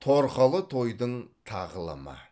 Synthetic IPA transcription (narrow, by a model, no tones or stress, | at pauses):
t̪ʰoɾqɑlˠət̪ʰo̞jd̪əɴt̪ʰɑʁlˠə̰mə̰